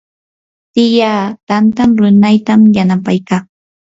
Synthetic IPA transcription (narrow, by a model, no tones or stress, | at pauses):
t̪ɪjaːt̪ant̪amɾʊnajt̪amjanapajkaŋ